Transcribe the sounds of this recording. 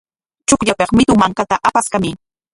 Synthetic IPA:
t͡ʃʊkʎapeχmɪt̪ʊmaŋkat̪aʔapaskamɪ

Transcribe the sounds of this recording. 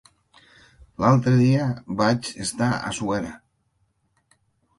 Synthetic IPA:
lalˠt̪ɾeðiaβat͡ʃest̪aa̰suɛɾa

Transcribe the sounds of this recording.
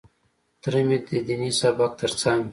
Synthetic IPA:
t̪ɾemit̪̚d̪id̪inisabak̚t̪ʰəɾt͡saŋɡ

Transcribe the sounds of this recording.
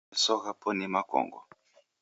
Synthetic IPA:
sɔɣapʰɔnimakɔ̰ŋɡɔ̰

